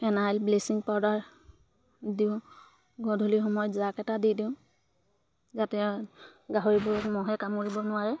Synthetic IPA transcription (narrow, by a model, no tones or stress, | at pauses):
ɛnajlblesiŋpawdaɹ | diʊ̃ | ɡɔdʱulixɔmɔjɔtzakɛtadidiʊ̃ | zatɛ | ɡaɦoɹibɔɹɔkmɔɦɛkamkoɹibɔnʊaɹɛ